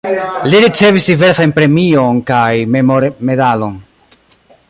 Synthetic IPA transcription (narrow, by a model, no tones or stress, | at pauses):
liɾit͡se̞visdive̞ɾsanpɾe̞mio̞nkajmemoɾme̞dalo̞n